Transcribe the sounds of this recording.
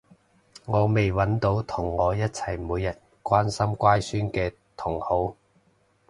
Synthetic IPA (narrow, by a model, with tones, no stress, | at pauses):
ŋɔː˨˧me˨jwɐ˨˥nt̪o˨˥wt̪ʰʊ˨˩ŋːɔː˨˧jɐ˥t̚t͡sʰɐ˨˩jmuː˨˧jːɐ˨t̚ | kʷaː˥nsɐ˥mkʷaː˥jsyː˥nkɛː˧ | t̪ʰʊ˨˩ŋho˨˥w